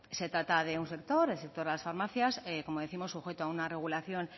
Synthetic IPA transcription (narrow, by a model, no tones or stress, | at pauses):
se̞t̪ɾat̪aðe̞unse̞k̚t̪o̞ɾelsek̚t̪o̞ɾðelasfaɾmaθjaseko̞moðe̞θimo̞sːuxe̞t̪oaunare̞ɣ̞ulaθjo̞n